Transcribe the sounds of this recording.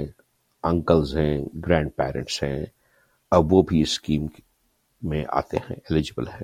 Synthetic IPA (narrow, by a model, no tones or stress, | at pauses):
ɐ̃ŋkəlzɦɛ̃ɡɾɛ̃ːɳɖ̚pɛːɾə̰̃ɳʈsɦɛ̰̃ː | ɐbʋobʱiɪskiːm | mẽʔa̰ːt̪ḛɦɛ̰̃elɪd͡ʒɪbəlɦɛ̃ː